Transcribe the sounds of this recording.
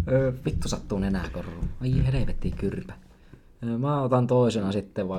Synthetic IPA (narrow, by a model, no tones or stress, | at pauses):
øːpik̪ːusɑt̪ːuːnenæ̰ˑkorːˑuːɑjɑheleʋet̪ːikyrpæ̥ː | mæːot̪ɑnt̪oˑisenɑsit̪ːeʋʋɑˑ